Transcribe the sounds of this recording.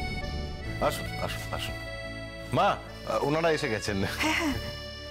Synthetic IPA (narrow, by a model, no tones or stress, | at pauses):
aʃua̰ʃua̰ʃu | ma | unaɽaeʃeɡɛt͡ɕʰen